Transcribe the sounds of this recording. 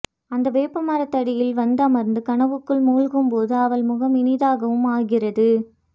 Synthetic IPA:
ɐnd̪ɐʋeːpːɐmɐːɾɐt̪ːɐɽɪjɪlʋɐnd̪ɐmɐɾnd̪ɯkɐɳɐʋɯkːɯɭmuːɻɣɯmpoːðɯɐʋɐlmʊɣɐmɪnɪðaːɣɐʋɯmaːɣɪrɐðɯ

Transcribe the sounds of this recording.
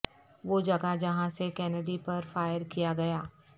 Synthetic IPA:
ʋoːd͡ʒɐɡad͡ʒɐɦãsekɛːnəɖipɐɾfaːjəɾkijaɡɐjaː

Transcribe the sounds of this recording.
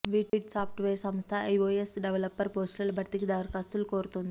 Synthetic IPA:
ʋiʈiʈsafʈʋesə̃m̃st̪ʰaejoesɖeʋləpːəɾposʈəlbʱɐɾt̪ikd̪aʋɾkast̪uːlkoɾt̪ond̪

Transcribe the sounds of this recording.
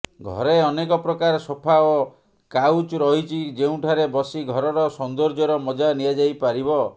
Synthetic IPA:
ɡʱɔ̰ɾeɔnekɔpɾɔkaɾsɔpʰao | kawt͡ʃɾɔɦit͡ʃʰid͡ʒeũʈʰaɾebɔsiɡʱɔɾɔɾɔsɔnd̪ɔɾd͡ʒɔɾɔmɔd͡ʒanijad͡ʒajpaɾibɔ

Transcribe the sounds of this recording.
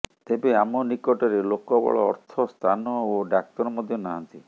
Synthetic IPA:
t̪ebeamɔnikɔʈɔɾelokɔbɔ̰ɭɔ̰ːɾt̪ʰɔst̪ʰanɔoɖak̚t̪ɔɾɔmɔd̪ʱjɔnaɦant̪i

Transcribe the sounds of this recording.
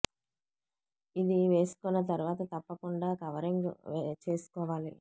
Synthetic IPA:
id̪iʋe̞ːsu̥kɔnːɐt̪̬ɐɾuʋaːt̪ɐt̪ɐpːɐkuɳɖaːkɐʋɐɾiŋɡ̰t͡ʃe̞ːsu̥kɔːʋaːlḭ

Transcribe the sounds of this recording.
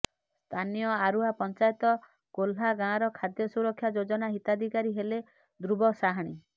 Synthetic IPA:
st̪ʰanijɔaɾuɦapɔnt͡ʃajet̪ɔ | ɡ̥olɦaɡãɾɔkʰad̪jɔsuɾɔkʰːjad͡ʒod͡ʒɔnaɦit̪ad̪ʱikaɾiɦele | d̪ɾubɔsaɦaɽ̃i

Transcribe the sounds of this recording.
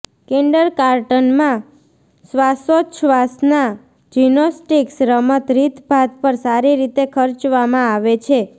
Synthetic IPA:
kẽɳɖəɾkaɾʈənmã | sʋasoʃʋasna | d͡ʒinosʈiksɾəmət̪ɾit̪bʱat̪pəɾsaɾiɾit̪ekʰəɾt͡ʃʋamãaʋet͡ʃʰe

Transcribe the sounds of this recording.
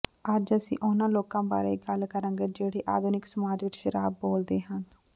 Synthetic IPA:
əd͡ʒəsḭ̃ːʔʊnãːloːkãːba̰ːɾḛːɡəlkəɾə̃ːŋɡeːd͡ʒeːɽeːʔa̰ːd̪ʊnɪksəmaːd͡ʒʋɪt͡ʃʃəɾaːbːoːld̪eːɦə̃n

